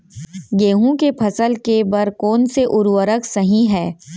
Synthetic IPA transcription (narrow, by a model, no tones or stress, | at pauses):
ɡeːɦũkepʰɐsəlkebɐɾkɔːnseʔʊɾʋəɾəksɐɦĩɦɛː